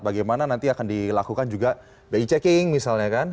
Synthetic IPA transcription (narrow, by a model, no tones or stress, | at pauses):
t̪̚baɡajmananant̪iakandilakukand͡ʒuɡa | bait͡ʃɛkɪŋmisalɲakan